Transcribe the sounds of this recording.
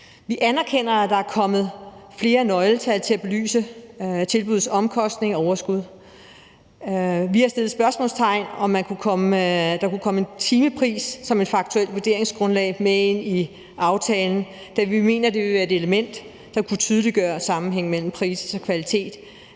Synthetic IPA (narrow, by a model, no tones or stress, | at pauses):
ʋiʔænæɐkʰen̰ɐæd̥ɑ̈æɐkʰɒ̽mð̞̩ˠfle̝ːɐnɒ̽ɪlt͡sʰælt͡sʰe̝æb̥e̝ly̰ːsət͡sʰe̝lb̥uðˠsɒ̽mkʰɒ̽sd̥ne̝ŋɒɒʊɐsɡ̥uð̞̰ˠ | ʋihɑ̈sd̥e̝lð̩ˠsb̥ɶɐsmɔ̰̽ːlst͡sʰɑ̈ɪ̰nɒ̽mːænkʰukʰɒ̽məd̥ɑ̈kukʰɒ̽məent͡sʰiːməpʰʁḭːsːɒ̽me̝d̥fɑ̈ɡ̥̚t͡sʰuel̰dʋuɐd̥e̝ɐe̝ŋsɡ̥ʁɔ̽nlɛ̰ːɪmeeni | ʔɑ̈ʊt͡sʰɛːln̩ | d̥æʋime̝ːnɐd̥e̝ʋe̝ʋæɐe̝d̥e̝ləmen̰d̥ː | ɑ̈kʰut͡sʰyːðˠliɡ̥ɶːɐsɑ̈mn̩ɦeŋ̰mel̰m̩pʰʁḭːsɒkʰʋælit͡sʰe̝̰ːd̥